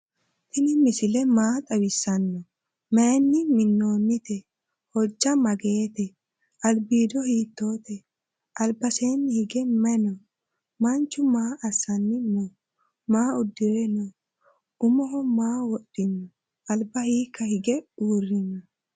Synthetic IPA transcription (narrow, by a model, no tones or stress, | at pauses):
t̪ɪnɪmɪsɪlɛmaːt̪ʼɐwɪsːɐnːɔ | menːɪmɪnːo̞ːnːɪt̪ɛ | hɔd͡ʒːɐmɐɡeːt̪ɛ | ɐlbiːd̪ɔhiːt̪ːo̞ːt̪ɛ | ʔɐlbɐse̞ːnːɪhɪɡɛmɛnɔ | mɐnt͡ʃːʊmaːʔɐsːɐnːɪmɔ | maːʊd̪ːɪɾɛnɔ | ʊmɔɦɔmaːwɔɗɪnːɔ | ʔɐlbɐhiːkːɐhɪɡɛuːrːɪnːɔ